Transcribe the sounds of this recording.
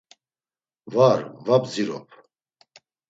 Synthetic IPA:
vaɾvabziɾɔ̰pʰ

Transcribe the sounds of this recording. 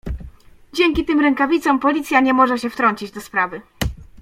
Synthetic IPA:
d͡ʑɛŋʲkʲit̪ɘmɾɛŋkavʲit̪sɔ̃mpɔlʲit̪sʲjaɲɛmɔʐɛɕɛft̪ɾɔɲt͡ɕid͡ʑd̪ɔspɾavɘ

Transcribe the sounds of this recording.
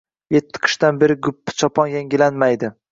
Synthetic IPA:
jet̪ʰːɪ̥qʰɨ̥ʃt̪anbeɾɪɡʊpːɪ̥t͡ʃʰɒpʰɒnjaŋɡʲɪlanmajd̪ɪ

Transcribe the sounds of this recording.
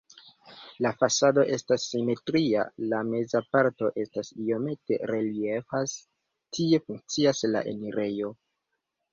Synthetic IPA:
lafasado̞ʔe̞stasːime̞tɾia̰lame̞zapaɾto̞ʔe̞stasio̞me̞te̞̰ɾe̞lie̞fas | tʰie̞fuŋk̚t͡siasla̰ʔe̞̰niɾe̞jo̞

